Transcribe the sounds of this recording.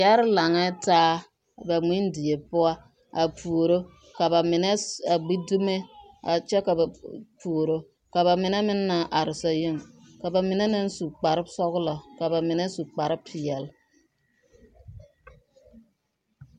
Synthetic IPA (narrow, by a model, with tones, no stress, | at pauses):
ja˦ɾɪ˦la˨ŋɛ˦taː˦ | ba˨mi˦ndi˨je˨pʊ˦a˦ | a˨pu˨o˨ɾo˦ | ka˨ba˨mɪ˨nɛ˦a˨ɡ͡bi˦du˦me˦ | a̰˨t͡ʃɛ˦ka˨ba˨pu˨o˨ɾo˦ | ka˨βa˨mɪ˨nɛ˦mɪ˦nːa˨ʔa˨ɾɪ˨sa˨ji˦˨ŋ | ka˨ba˨mɪ˨nɛ˦nɪ˦n˦su˨k͡pa˨ɾɪ˦bsɔ˦ɣʊ˦lɔ˨ka˨ba˨mɪ˨nɛ˦su˨k͡pa˨ɾɪ˦pʰːɪ˨jɛ˨l